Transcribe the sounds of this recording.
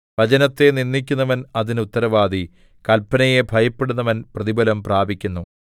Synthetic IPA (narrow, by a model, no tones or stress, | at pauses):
ʋɐt͡ɕɐnɐt̪ːe̞ninːikʲːunːɐʋɐnɐðinut̪ːɐɾɐʋaːd̪i | kɐlpːɐnɐje̞bʱɐjɐpːeɽunːɐʋɐnprɐðibɐlɐmpraːbʱikʲːunːu